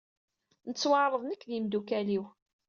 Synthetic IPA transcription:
nət͡sːwəʕɾˤəðˤnəkːðimd̪ukæliw

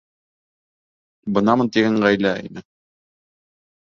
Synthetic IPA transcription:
bɤ̆nɑmɤnt̪iɡæɴʁæjlæḭnɘ

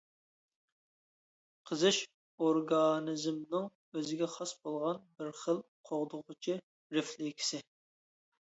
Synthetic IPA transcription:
qʰəzɨʃ | oɾɡɑnɨzmnɨŋ | øzɪɡʲɛχɑsbolˠʁɑnbɪɾχəlˠqʰoʁd̪ʊʁʊt͡ʃʰɪ | ɾɪflɪkʲʰi̥sɪ

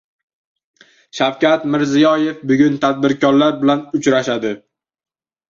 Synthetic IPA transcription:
ʃawkʲat̪mɪɾzɪjɒje̞fbʊɡʲʊnt̪ʰad̪̚bɪɾkʲʰɒɾlaɾbɪlanʊt͡ʃɾaʃad̪ɪ

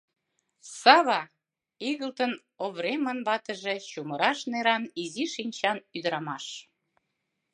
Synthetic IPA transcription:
sɑβɑ | iɣəlt̪ən | oβɾemənbɑt̪əʒet͡ɕuməɾɑʃneɾɑniziʃinʲt͡ɕɑnyd̪əɾɑmɑʃ

